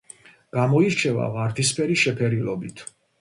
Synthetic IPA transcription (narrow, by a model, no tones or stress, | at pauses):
ɡ̥amɔiɾt͡ʃʰɛva̰vaɾt̪ʰispʰɛɾiʃɛpʰɛɾilɔbit̪ʰ